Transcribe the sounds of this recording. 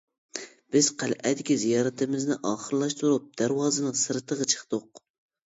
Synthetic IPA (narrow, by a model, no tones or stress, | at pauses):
b̥ɪz̥qʰælʔɛ̰d̪ɪkʲizijɑːɾɨt̪ʰɨmɪznɪʔɑːχəɾɨlˠɑʃt̪uɾup̚d̪̥æɾwɑːzɨnɨŋsɨɾɨt̪ʰəʁɑt͡ʃʰə̥χd̪ʊq